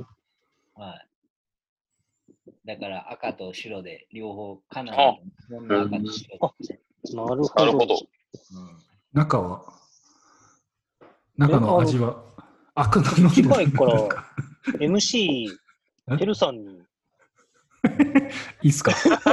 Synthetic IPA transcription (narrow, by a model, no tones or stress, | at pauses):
hai | d̪akaɾaʔakat̪oɕiɾo̞d̪e̞̰ɾʲo̞ːho̞ːkʰanamõnːoakaoɕiɾod | naɾɯhoaɾdɯood̪o̰ | ɯ̃ | nakaβa | nakanoaʑiβaː | kɯnanoaikːoɾakaemɯ̟ɕiː | eɾɯ̟sãɲːi | iːsɨ̥ka